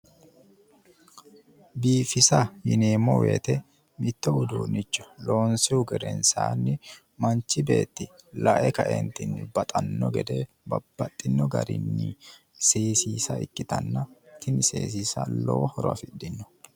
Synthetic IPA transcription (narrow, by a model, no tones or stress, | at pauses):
biːfɪsɐjɪneːmːɔwḛːt̪ɛ | mɪt̪ːɔbʊd̪uːnɪt͡ʃːɔ̥lo̞ːnsɪʊɡɛɾɛ̰nsa̰ːnːɪ | mɐnt͡ʃːɪbe̞ːt̪ːɪlɐʔɛkɐʔḛnt̪ɪnːɪbɐt̪ʼɐnːɔɡɛd̪e | bɐb̥ːɐt̪ʼːɪnːɔɡɐ̰ɾɪ̰nːɪ | seːsiːsɐɪkʼːɪt̪ɐnːɐt̪ɪnɪsḛːs̬iːsɐ̰lɔwɔhɔɾɐ̰fɪɗːɪnːɔ̥